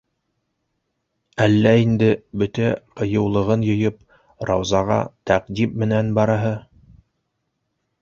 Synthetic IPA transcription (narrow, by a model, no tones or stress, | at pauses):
ælːæind̪ɘbɵt̪æqɤ̆jɤ̆wlˠɤ̆ʁɤnjɤ̆jɤp̚ | ɾɑwzɑʁɑ̰t̪æqd̪immɘ̆nænbɑɾɑɦɤ